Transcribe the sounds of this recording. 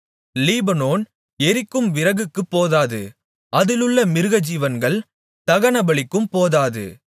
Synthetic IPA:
liːbɐnoːn | ɛɾɪkːɯmʋɪɾɐɣɯkːɯpːoːðaːðɯ̰ | ʔɐðɪlɯɭːɐmɪɾɯɣɐd͡ʒiːʋɐnɡɐɭ | t̪ɐɣɐnɐbɐɭɪkːɯmpoːðaːðɯ̰

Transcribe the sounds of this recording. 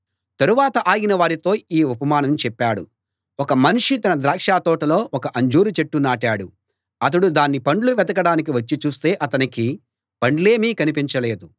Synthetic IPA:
t̪ɐɾuʋaːt̪ɐʔaːɡinɐʋaːɾit̪o̞ːiːupɐmaːnɐmt͡ʃɛpːaːɽṵ | ɔkɐmɐnuʂit̪ɐnɐd̪ɾaːkʂaːt̪ɔːʈɐlo̞ːʔɔkɐʔɐɲd͡ʒuːɾut͡ʃeʈːunaːʈaːɽu | ɐt̪̬ɐɽud̪aːnːipɐɳɖluʋɛd̪ɐkɐɽaːnik̬iʋɐt͡ʃːit͡ʃuːst̪e̞ːʔɐt̪ɐniki | pɐɳɖle̞ːmiːkɐnipiɲt͡ʃɐle̞ːd̪u

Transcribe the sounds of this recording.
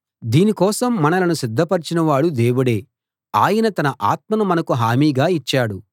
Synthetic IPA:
d̪iːnikɔːsɐmːɐnɐlɐnusid̪ʱːɐpɐɾit͡ʃinɐʋaːɽud̪e̞ːwuɽeː | aːjɐnɐt̪ɐnɐʔaːt̪̚mɐnumɐnɐkuɦaːmiːɡaːit͡ʃːaːɽu

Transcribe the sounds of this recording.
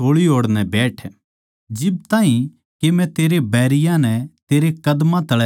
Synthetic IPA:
oːɭiɦoːɽnɛbɛːʈʰ | d͡ʒɪbt̪ãːɦĩ | kemɛ̃t̪eːɾebɛːɾɪjãnɛt̪eːɾekɐd̪mãt̪ɐɭɛ

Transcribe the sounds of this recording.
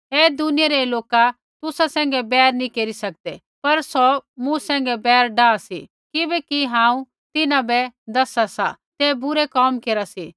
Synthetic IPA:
eːd̪ʊnɪjaɾeloːka | t̪ʊsasɛ̃ːŋ̆ɡɛbɛːɾnĩkeːɾisɐk̚d̪e | pɐɾsɔmũsɛ̃ːŋ̆ɡɛbɛːɾɖaːsḭ | kɪbɛkiɦãːũ | t̪ɪnãbɛd̪ɐsasa̰t̪eːbʊɾekɔːmkeːɾasiː

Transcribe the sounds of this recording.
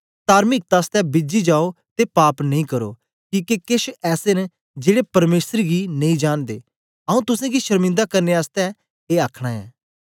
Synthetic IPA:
t̪aːɾmɪk̚t̪aːst̪ɛ̃ːbɪd͡ʒid͡ʒaːot̪epaːpnɐĩkəɾo̰ː | kĩːkekɪʃɛːsen | d͡ʒeːɽepɐɾmeːsəɾɡiːnɐ̃ĩːd͡ʒaːnd̪ḛː | aũːt̪ʊsẽːɡiʃəɾmɪ̃nd̪aːkɐɾneːaːst̪ɛ̃ | eːaːkʰɽ̃aːɛ̰ː

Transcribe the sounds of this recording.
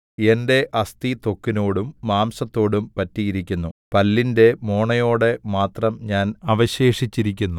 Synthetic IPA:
e̞nde̞ʔɐst̪it̪o̞kːino̞ːɽumːaːmsɐt̪ːo̞ːɽumpɐtːijiɾikʲːunːupɐlːinde̞mo̞ːɳɐjo̞ːɽe̞maːt̪rɐmɲaːnɐʋɐɕe̞ːʂit͡ɕːiɾik̬ʲːunːu

